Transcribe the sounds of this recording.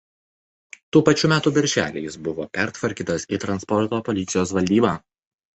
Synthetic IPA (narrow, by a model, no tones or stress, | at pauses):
t̪uːpɐt͡ʃʲuːmʲæːt̪uːbʲɪɾʲʒʲæ̰ːlʲɪ̰jsbʊʋo̰ːpʲæɾt̪ʋɐɾʲkʲiːt̪ɐsit̪ɾɐnspɔɾt̪oːpɔlʲɪt̪sʲɪjoːsʋɐlʲd̪ʲiːbɑː